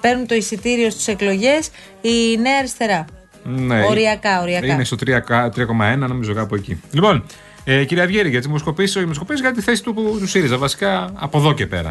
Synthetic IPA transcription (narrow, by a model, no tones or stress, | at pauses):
pe̞ɾnunt̪o̞isit̪iɾio̞st̪i̥se̞klo̞ʝe̞s | ineɐɾist̪e̞ɾɐ | neoɾiɐkɐoɾiɐinest̪ot̪ɾiɐkɐt̪ɾiɐko̞mɐenɐno̞mizo̞kɐpoecḭlipo̞n | eciɾiɐvʝeɾiʝɐt̪imsko̞pisoçimosko̞piszɣɐt̪it̪iθe̞si̥t̪uut̪usiɾizɐvɐsi̥kɐ̰ːpo̞ðo̞cepe̞̰ɾɐ̰